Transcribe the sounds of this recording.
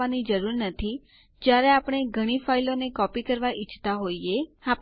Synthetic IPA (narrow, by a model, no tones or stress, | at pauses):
anid͡ʒəɾuɾnət̪ʰi | d͡ʒjaɾeapɽ̃eɡʱəɽ̃ifailonekɔpikəɾʋaʔɪt͡ʃʰt̪aɦoieha